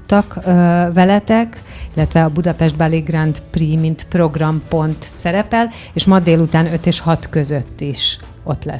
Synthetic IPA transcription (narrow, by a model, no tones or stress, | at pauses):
t̪ːɒkvɛlɛt̪ɛkilːɛt̪ʋɛɒbud̪ɒpɛʒd̪̚balːiɡrant̪priːmint̪pro̞ɡrɒmpo̞nt̪sɛɾɛpɛl | eːʃmɒd̪eːlut̪aːnø̞t̪eːʃhɒt̪kø̞zøt̪ːiʃ | o̞t̪lɛ̰